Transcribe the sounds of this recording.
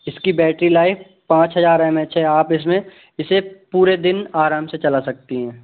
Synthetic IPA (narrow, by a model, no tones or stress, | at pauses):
ɪskibɛːʈɾilaːɪf | pãːt͡ʃɦɐzaːɾɦɛːmɛ̃t͡ʃʰeɦɛaːpɪs̬mẽ | ɪsepuːɾed̪ɪnaːɾãːmset͡ʃɐlasɐk̚t̪iɦɛ̃ː